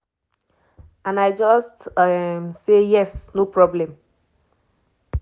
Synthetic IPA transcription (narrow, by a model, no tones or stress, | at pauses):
ãnaɪd͡ʒɔstmsejɛsnopɹɔblɛ̃m